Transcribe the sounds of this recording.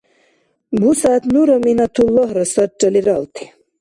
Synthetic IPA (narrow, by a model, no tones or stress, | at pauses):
busat̪nuɾɐminɐt̪ʰulːoɦɾɐsɐʈ͡ʂɐliɾɑ̰lt̪ʰi̥